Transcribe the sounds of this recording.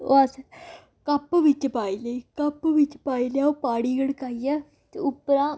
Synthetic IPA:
o̰as | kɐpːʋɪt͡ʃpaːileiːkɐpːʋɪt͡ʃpaːiljaːoːpaːɽiːɡəɽkaːiɛː | t̪eʊpːɾãː

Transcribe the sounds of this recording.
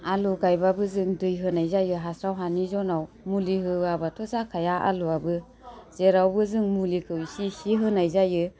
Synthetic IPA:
aluɡajbabɯzɯŋdɯjɦɯnajzajɯɦasɾawɦanizɔnaw | muliɦɯabatʰɔsakʰajaʔa̰luabɯ | z̥eɾawbɯzɯŋmulikʰɯwsisiɦɯnajzajɯ

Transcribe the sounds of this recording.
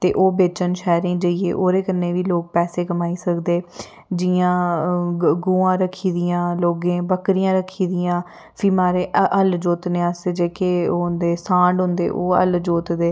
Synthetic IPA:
t̪eːʔoːbeːt͡ʃənʃɛːɾĩːd͡ʒəiḛːʔoːɾeːkənːeːʋiːloːk̚pɛːseːkəmaːiːsəkd̪eː | d͡ʒɪːãː | ɡuːãːɾəkʰiːd̪ɪjãːloːɡẽːbəkɾɪjãːɾəkʰːiːd̪ɪjãː | pʰiːmaːɾeːʔʔəld͡ʒoːt̪neːãsd͡ʒeːkeːoːnd̪eːsãːɳɖɦʊ̃nd̪ḛːʔoːə̰ld͡ʒoːt̪d̪eː

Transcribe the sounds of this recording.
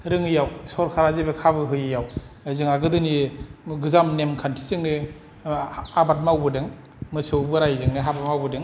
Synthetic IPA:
ɾɯŋɯjawsɔɾkʰaɾazebekʰabɯɦɯjɯjawzɯŋaɡɯdɯniɡɯzamnemkʰantʰi̥zɯŋne | abat̚mawbɯdeŋ | mɯsɯwbɯɾajzɯŋneɦabat̚mawbɯdeŋ

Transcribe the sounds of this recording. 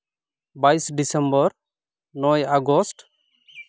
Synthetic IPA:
baisɖisɛmbɔɾ | nɔjaɡɔsʈ

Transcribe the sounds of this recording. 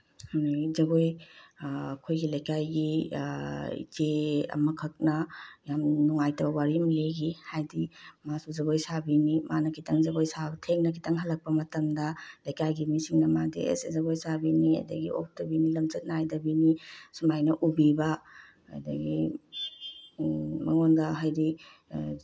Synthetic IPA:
hizɐɡoj | kʰojɡilɐjkajɡi | d͡ʒeɐ̰mɐkʰɐk̚nɐjamnuŋajtɐbɐwaɾimleɡihajdimasuzɐɡojsabinimanɐkʰitʰɐŋzɐɡojsatʰeŋnɐkʰi̥tɐŋɦɐlːɐk̚pɐmɐtɐmdɐlajkajɡimisiŋnɐmadḛʔḛszɐbojsabiniɐ̰jdɐ̰ɡḭʔo̰p̚ʰdɐbinilɐmd͡ʒɐt̚naajdɐbinisumajnɐʔubibɐ̰ː | jdɐ̰ɡi | mɐŋondɐɦajdi

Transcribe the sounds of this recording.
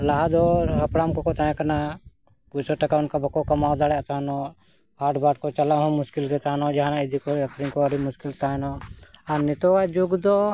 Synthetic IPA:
laɦad̪ɔɦapɽamkɔkɔt̪ãɛ̃kana | put͡ʃɔʈakaunkabakɔkamawd̪aɽɛʔt̪aɦanɔ | aʈbaʈkɔt͡ʃalaɦɔ̃muskild̪ɛt̪aɦnɔd͡ʒaɦanaid̪ikɔakʰɾiŋkɔəɽimuskilt̪anɔaɾnɛt̪ɔkad͡ʒuɡd̪ɔ

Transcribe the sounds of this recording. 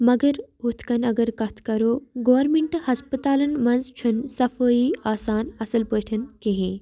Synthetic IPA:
mɐɡɐɾɦut̪ʰkɐnɐɡɐɾkɐt̪ʰkɐɾoːɡoːɾmeɳʈhɐspət̪aːlɐnmɐnzt͡ʃʰunsɐfəːiːaːsaːnɐsɐlpəːʈʰɐnkeɦe

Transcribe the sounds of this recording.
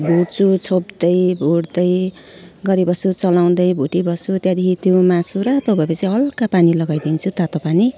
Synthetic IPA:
bʱuɽt͡sʰut͡sʰobd̪ʌjbʱuɽd̪ʌj | ɡʌɾibʌsut͡sʌlaw̃d̪ʌjbʱuʈibʌsut̪jad̪ikit̪ʰjumasuɾat̪obʱʌepʌt͡siʌlkapanilʌɡajd̪int͡sʰut̪at̪opani

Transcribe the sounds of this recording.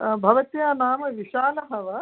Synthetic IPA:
bʱɐʋɐt̪jaːnaːmɐʋiʃaːlɐɦɐʋɐ

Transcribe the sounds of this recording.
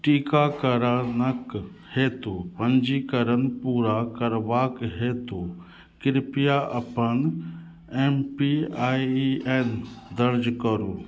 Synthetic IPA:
ʈiːkakɐɾanɐk | heːt̪oːpɐ̃ɲd͡ʒikəɾənpuːɾakɐɾʋaːkɦeːt̪oː | kɪɾɪpijaʔɐpən | eːmpiaːieːnd̪ɐɾd͡ʒkəɾuː

